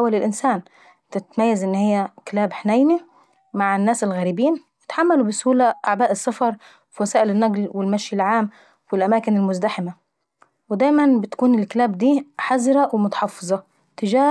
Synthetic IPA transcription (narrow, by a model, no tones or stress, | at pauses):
awalɪlʔɪnsaːn | t̪ɪt̪majːazʔɪnːhɪjːæklaːbħnajni | maʕanːaːsɪlɣæːɾibiːnwɪt̪ħamːalubɪsuːlaʔaʕbaːʔɪsːɑfɑɾˤ | fiwasaːʔɪlɪnːaɡlwɪlmaʃjɪlʕaːm | wɪlʔamaːkɪnɪlmʊzd̪aħɪma | wɪd̪aːjmanbɪt̪kuːnɪlklaːb̚d̪iːħazɾawɪmʊt̪ɑ̥ħɑfːɨzˤɑ | t̪ɪd͡ʒaː